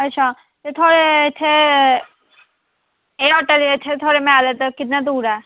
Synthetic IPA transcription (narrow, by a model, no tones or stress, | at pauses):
ɐtːʃʰaː | t̪et̪ʰoːɾeɪt̪ʰːe | eɔʈəlɪt̪ʰet̪ʰoːɾemɛalet̪kɪt̪nad̪uːɾɛː